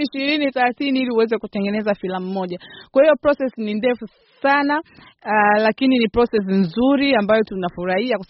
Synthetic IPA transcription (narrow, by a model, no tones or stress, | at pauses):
iʃiɾiniθɛlaθiniiliuwɛzɛkutɛŋɡɛnɛzafilamumɔʄakwahijɔpɾɔsɛsnindɛfu | sana | lakininipɾɔsɛs̬inzuɾiambajɔtunafuɾahiaka